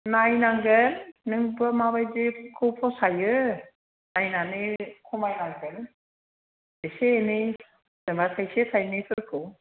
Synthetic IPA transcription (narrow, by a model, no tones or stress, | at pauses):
najnaŋɡɯnnɯŋbɯamabajzekʰɯwpʰɔsajɯ | najnanɯkʰɔmajnaŋɡɯn | deseːnɯj | z̥ɯmatʰajsetʰajnipʰɯkʰɯ